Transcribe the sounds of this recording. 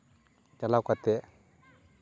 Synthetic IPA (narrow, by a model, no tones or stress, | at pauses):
t͡ʃalakat̪e